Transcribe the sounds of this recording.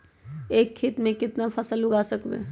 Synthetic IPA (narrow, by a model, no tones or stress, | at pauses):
eːkʰːit̪mẽkɪt̪napʰəsəlʊɡaːsəkbḛː